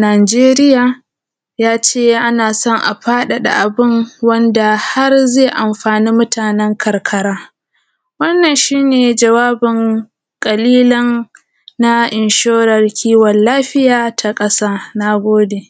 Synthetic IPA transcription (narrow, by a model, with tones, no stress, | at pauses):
naː˨d͡ʒeː˦ɾɪ˦jaː˨ | jaː˦t͡ʃeː˦˨ʔa˦naː˨sɔ˦ŋʔa̰˨ɸaː˦ɗa˨ɗa̰˨ʔa˨bɪ˦ŋwɐ˦nda˨ha˦rzeː˦˨ʔa˨mɸaː˨niː˦mʊ˦tʰaː˨nɛ˦ŋkʰɐ˨rkʰɐ˦ɽaː˦ | wɐ˦nːɐ˨nʃiː˦neː˨d͡ʒɐ˨waː˦bɪ˨ŋ | kʼɐ˨liː˦lɔ˦nː | a˦ʔɪ˨nʃoː˦ɾɐ˨rkʲʰiː˦wɔ˨nlaː˦ɸɪ˦jaː˨tʰa˨kʼɐ˦saː˦na˦˨ɡʷoː˦deː˨